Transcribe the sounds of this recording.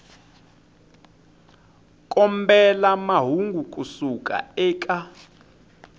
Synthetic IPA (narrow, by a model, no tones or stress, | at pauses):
kʼɔmbɛlamaɦuŋɡʱuk̬ʼusukʼa̰ɛːkʼa